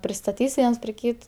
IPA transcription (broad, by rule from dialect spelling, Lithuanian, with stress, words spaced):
pʲrʲɪstɐˈtʲiːs ˈʋʲiɛns pʲrʲɪ ˈkʲiːt